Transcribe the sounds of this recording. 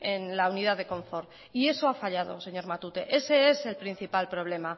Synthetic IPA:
e̞nlauniðaðe̞kõ̞ɱfo̞ɾ | ie̞so̞afaʎað̞o̞se̞ɲo̞ɾmat̪ut̪e̞ʔe̞se̞e̞se̞lpɾin̟θipalpɾoβ̞le̞ma

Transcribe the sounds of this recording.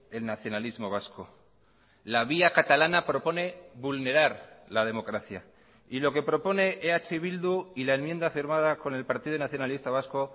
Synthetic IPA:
e̞lnaθjo̞nalizmo̞β̞asko̞ | laβ̞iakat̪alanapɾo̞po̞ne̞βulne̞ɾaɾlað̞e̞mo̞kɾaθja | ilo̞ke̞pɾo̞po̞ne̞ʔeat͡ʃeβild̪uilaenmje̞nd̪afiɾmað̞ako̞ne̞lpaɾt̪iðunaθjo̞nalist̪aβ̞asko̞

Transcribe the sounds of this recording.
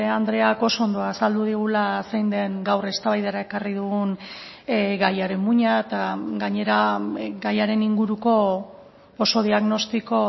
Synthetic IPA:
eand̪ɾe̞ako̞soond̪o̞aːsald̪uðiɣ̞ulasejnd̪e̞ŋɡawre̞st̪aβajðeɾae̞kariðuɣun | ɣajaɾe̞mmuɲaet̪aɡaɲe̞ɾaɡajaɾe̞niŋɡuɾuko̞ | poso̞ðiaɣno̞st̪iko̞

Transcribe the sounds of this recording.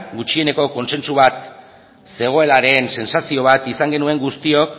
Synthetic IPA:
ɡut͡ʃie̞ne̞ko̞ko̞nse̞nsuβat̪ | se̞ɣ̞o̞e̞laɾe̞nse̞nsasio̞β̞at̪isaŋɡe̞nue̞ŋɡust̪io̞k

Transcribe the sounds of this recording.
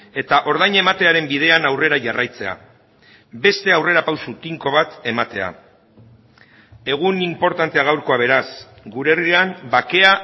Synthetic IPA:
e̞t̪aʔo̞ɾðajɲe̞mat̪e̞aɾe̞mbið̞e̞anawre̞ɾaʝarajt͡se̞a̰ | be̞st̪e̞awre̞ɾapawsut̪iŋko̞β̞at̪e̞mat̪e̞a̰ | e̞ɣ̞unimpo̞ɾt̪ant̪e̞aɣ̞awɾko̞aβ̞e̞ɾas | ɡuɾeriambake̞a

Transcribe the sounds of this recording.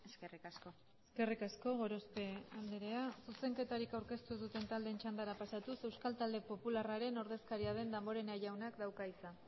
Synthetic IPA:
eskerikasko | ske̞rikasko̞ɣo̞ɾo̞spe̞and̪eɾe̞asuse̞ŋke̞t̪aɾikawɾke̞st̪uðut̪e̞nt̪ald̪e̞nt͡ʃand̪aɾapasat̪use̞wskalt̪ald̪e̞po̞pularaɾe̞no̞ɾðe̞skaɾiaðe̞nd̪ambo̞ɾe̞najawnakd̪awkaisan

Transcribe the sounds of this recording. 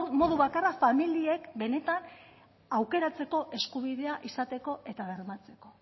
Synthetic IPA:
mo̞ðuβakarafamilie̞kbe̞ne̞t̪an | awke̞ɾat͡se̞ko̞ʔe̞skuβ̞iðe̞aʔisat̪e̞ko̞ʔe̞t̪aβeɾmat͡se̞ko̞

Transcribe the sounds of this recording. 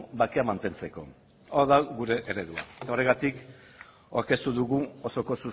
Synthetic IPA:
bakeamant̪e̞nt͡se̞ko̞̰ | oðaɣuɾe̞ʔeɾe̞ðua̰et̪ao̞re̞ɣat̪ik | o̞ɾke̞st̪uðuɣuo̞so̞ko̞su

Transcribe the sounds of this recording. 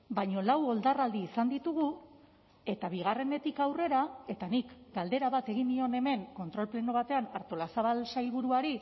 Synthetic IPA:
baɲo̞lawo̞ld̪arald̪iːsand̪it̪uɣ̞u | e̞t̪aβ̞iɣ̞are̞ne̞t̪ikawre̞ɾae̞t̪anikɡald̪e̞ɾaβat̪e̞ɣ̞ind̪io̞ne̞me̞ŋko̞nt̪ɾo̞lple̞no̞β̞at̪e̞anaɾt̪o̞lasaβalsajlβuɾuaɾi

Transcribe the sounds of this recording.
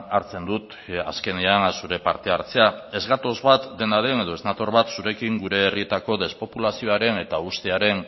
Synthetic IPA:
aɾt͡se̞nd̪ut̪ | aske̞neansuɾe̞paɾt̪e̞aɾt͡se̞ae̞zɣat̪o̞zβat̪d̪e̞naɾe̞ne̞ð̞o̞e̞znat̪o̞ɾβat̪suɾe̞kiŋɡuɾe̞ːrie̞t̪ako̞ðe̞spo̞pulasio̞aɾe̞ne̞t̪aust̪eaɾe̞n

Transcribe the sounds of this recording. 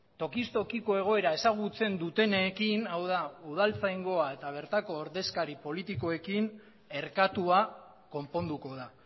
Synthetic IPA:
t̪o̞kist̪o̞kiko̞e̞ɣ̞o̞e̞ɾaesaɣ̞ut͡se̞nd̪ut̪e̞nekinawð̞auð̞alt͡sajŋɡo̞ae̞t̪aβ̞e̞ɾt̪ako̞ːɾðe̞skaɾipo̞lit̪iko̞e̞kin | e̞ɾkat̪ua | ko̞mpo̞nd̪uko̞ða

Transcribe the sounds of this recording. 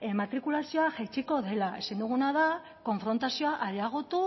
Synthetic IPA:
emat̪ɾikulasio̞aʝajt͡ʃiko̞ðe̞lae̞sand̪uɣ̞unaða | ko̞ɱfɾo̞nt̪asio̞aʔaɾjaɣ̞o̞t̪u

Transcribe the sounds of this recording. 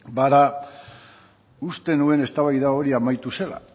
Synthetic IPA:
baða | ust̪e̞nue̞ne̞st̪aβajðao̞ɾiamajt̪use̞la̰

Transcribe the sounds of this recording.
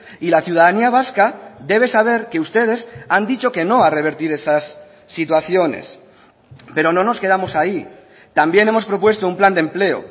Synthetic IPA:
ilaθjuð̞aðaniaβ̞askad̪e̞β̞e̞saβ̞e̞ɾke̞ust̪e̞ð̞e̞sand̪it͡ʃo̞ke̞no̞are̞β̞e̞ɾt̪iɾe̞sasː | it̪waθjo̞ne̞̰s | pe̞ɾo̞no̞no̞ske̞ð̞amo̞sai | t̪ambje̞ne̞mospɾo̞pwe̞st̪oumpland̪e̞mple̞o̰

